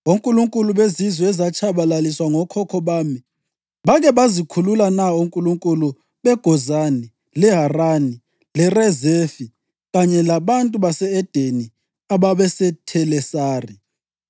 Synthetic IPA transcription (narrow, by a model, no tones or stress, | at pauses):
oŋkʼuluŋkʼuluβezizwɛɛzat͡ʃʰaβalaliswaŋɔkʰɔkʰɔβaːmi | βaɣɛβazikʰululanauŋkʼuluŋkʼulu | βɛɡ̥ʱɔzani | lɛɦarani | lɛrɛzefi | ɣaɲɛlaβantʼuβasɛɛd̥ʱeni | aβaβɛsɛtʰɛlɛsaːri